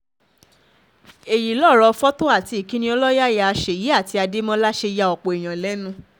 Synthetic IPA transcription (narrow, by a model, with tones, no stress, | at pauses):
e˨ji˨lɔ˦˨ɾɔ˧fɔ˦to˦a˦˨ti˧˦i˨kĩ˨˦nĩ˧ɔ˧lɔ˦ja˦˨ja˧a˧ʃe˨ji˨˦a˦˨ti˧a˧de˦mɔ̃˦la˦ʃe˧ja˧ɔ˨k͡po˨i˨j̃ã˨lɛ˨˦nũ˦